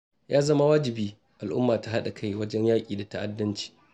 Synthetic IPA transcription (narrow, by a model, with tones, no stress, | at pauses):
jaː˦zɐ˦ma˦waː˦d͡ʒɪ˨biː˦ | ʔa˨lʔʊ̰˦mːaː˨ta˨ɦa˦ɗa˨kʰa˦jwɐ˦d͡ʒɛ˦ɲjaː˦kʲʼiː˨da˨ta˦ʔa˨dːɐ˦nt͡ʃi̥ː˨